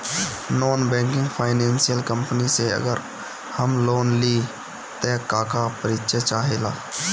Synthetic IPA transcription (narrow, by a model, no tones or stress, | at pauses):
noːnbɛ̃ːŋkɪ̃ŋɡpʰaːɪnɛ̃ːnsijəlkə̃mpniseə̰ɡəɾ | həmloːnli | t̪ɛːkaːkapəɾɪtʃet͡ʃaːɦela̰ː